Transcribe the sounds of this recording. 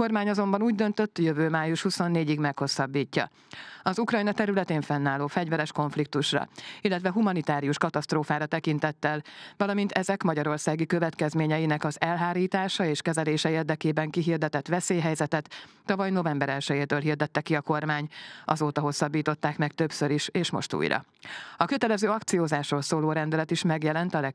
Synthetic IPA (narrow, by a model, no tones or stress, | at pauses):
ko̞rmaːɲɒzo̞mbɒnuːɟ̚d̪ø̞nt̪ø̞t̪ːjøvøːmaːjuʃhuso̞nːeːɟiɡmɛkho̞sːɒbːiːcːɒ̰ | ɒzukrɒjnɒt̪ɛɾylɛt̪eːɱfɛnːaːlːoːfɛɟvɛɾɛʃko̞ɱflik̚t̪uʃrɒ̰ilːɛt̪ʋɛɦumɒnit̪aːɾijuʃkɒt̪ɒst̪roːfaːɾɒt̪ɛkint̪ɛt̪ːɛlvɒlɒmint̪ɛzɛkmɒɟɒɾo̞rsaːɡikø̞vɛt̪kɛzmeːɲɛjinɛkɒzɛlɦaːɾiːt̪aːʃɒeːʃkɛzɛleːʃɛeːrd̪ɛkeːbɛŋkiɦird̪ɛt̪ɛt̪ʋɛseːjɦɛjzɛt̪ɛt̪ː | ɒvɒjno̞vɛmbɛɾɛlʃɛjeːt̪øːlɦird̪ɛt̪ːɛkiɒko̞rmaːɲɒ̰zoːt̪ɒɦo̞sːɒbːiːt̪o̞t̪ːaːkmɛkt̪øpsøɾiʃeːʃmo̞̰ʃt̪ṵːjɾɒ̰ | ɒkø̞t̪ɛlɛzøːɒkt̪sijoːzaːʃroːlsoːloːɾɛnd̪ɛlɛt̪iʃmɛɡjɛlɛnt̪ɒlɛ